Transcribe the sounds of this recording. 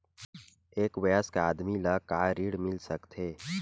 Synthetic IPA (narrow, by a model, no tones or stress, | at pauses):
eːkwɐjəskaaːd̪milakaːɾiːɽmɪlsəkt̪ʰeː